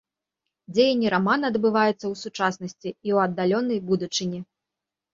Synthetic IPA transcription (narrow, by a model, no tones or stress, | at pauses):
d͡zʲejɐnʲːiɾamanɐːd̪bɨvajɛt̪sːɐwsut͡ʂasnɐsʲt͡sʲiːwɐd̪ːalʲɔnːɐjbud̪ut͡ʂɨnʲi